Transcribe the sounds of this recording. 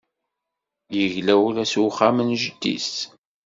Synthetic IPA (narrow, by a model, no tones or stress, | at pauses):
jəʝlæwulæswχːamənʒəd̪ːḭs